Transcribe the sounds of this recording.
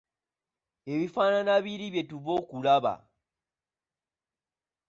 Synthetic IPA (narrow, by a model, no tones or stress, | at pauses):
e̞βifaːnanaβiɾiβje̞tuβo̞kulaβa̰